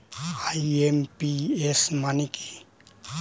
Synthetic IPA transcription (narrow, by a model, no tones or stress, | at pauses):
aiempiesmaniki̥